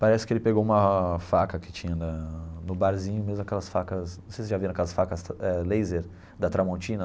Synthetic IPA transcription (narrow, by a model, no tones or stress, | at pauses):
paɾɛsɪ̥kɪelɪpeɡowũmɐfakɐkɪ̥t͡ʃĩɲɐnɐnʊbaɾzĩɲʊmezmʊɐkɛlɐsfakɐznɐ̃sejsɪʒaviɾ̃ɐkɛlɐsfakɐsɛlejzeɾ | d̪ɐt̪ɾamõnt͡ʃĩnɐ